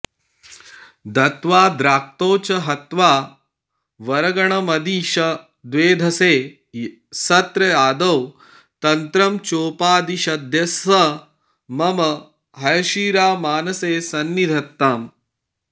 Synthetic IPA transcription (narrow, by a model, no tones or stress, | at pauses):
d̪ʱɐt̪ʋaːd̪ɾaːk̚t̪oːt͡ʃɐɦɐt̪ʋaː | ʋɐɾɐɡɐɳɐmɐd̪iːʃɐ | d̪ʋeːd̪ʱɐseː | sɐt̪ɾɐjaːd̪ɐw | t̪ɐnt̪ɾɐmt͡ʃoːpaːd̪iʃɐd̪ʱjɐsɐ | mɐmɐ | ɦɐjɐʃiːɾaːmaːnɐseːsɐnːid̪ʱɐt̪ːaːm